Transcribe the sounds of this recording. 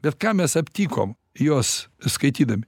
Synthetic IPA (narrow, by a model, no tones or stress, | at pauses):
bʲɛt̪kɑːmʲɛsɐpʲt̪ʲiːko̰ːm | joːsskɐɪt̪ʲiːd̪ɐmʲɪ